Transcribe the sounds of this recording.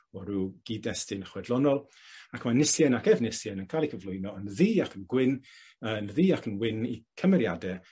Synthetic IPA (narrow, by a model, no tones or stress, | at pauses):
ɔɾuːɡ̥idɛstɪnəχwɛdlˠɔnɔlˠ | akʰmanɪsjɛnakɛvnɪsjɛnənkʰaːlˠikʰəvlˠʊjnɔənðiːakʰənɡwɪn | ənðiːakʰənwɪnḭkʰəmɛɾja̰dɛ